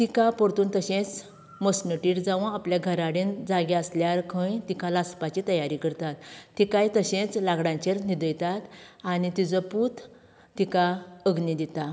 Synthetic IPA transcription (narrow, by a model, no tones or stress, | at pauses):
t̪ikapɔɾt̪uːnt̪əɕẽt͡s | mosnəʈiːɽd͡zaʋə̃apljaɡʱəɾaɽind͡zaɡɛəsljaɾkʰə̃jt̪ikãlaspat͡ɕit̪əjaɾikəɾt̪at̪ːikajt̪əɕẽt͡slaɡɽãɲt͡ɕeɾnid̪əjt̪at̪anit̪id͡zəput̪ʰː | ikaəɡnid̪it̪a